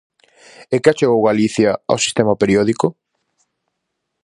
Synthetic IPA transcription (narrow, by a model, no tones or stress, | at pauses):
ekɪat͡ʃeɣowɣaliθjɐa̰wsi̥st̪emɐpeɾiɔðiko